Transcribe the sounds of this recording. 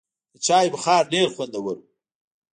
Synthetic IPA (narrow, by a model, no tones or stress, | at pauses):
d̪̥ət͡ʃɑːjbəxɑːɾneɾxwand̪awɐɾu